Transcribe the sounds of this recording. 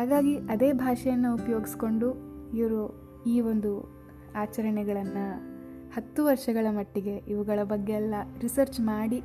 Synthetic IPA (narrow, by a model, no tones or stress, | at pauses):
hɦaːɡaːɡiʔɐd̪e̞ːbʱaːʂɐjɐnːɐupɐjo̞ːɡisi̥ko̞ɳɖuiʋɐɾu | iːʋo̞nd̪u | aːt͡ʃɐɾɐɳɛɡɐɭɐnːɐ | hɐt̪ːuʋɐɾʂɐɡɐɭɐmɐʈːiɡe̞ʔiʋuɡɐɭɐbɐɡːeɛlːɐɾisɐɾt͡ʃmaːɽi